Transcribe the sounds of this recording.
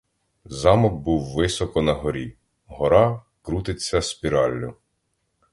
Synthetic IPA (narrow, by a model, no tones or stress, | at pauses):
zɑmɔk̚buwːɪsɔkɔnɐɦɔɾʲi | ɦɔɾɑ | kɾut̪ɪt͡sʲːɐspʲiɾɑlʲːʊ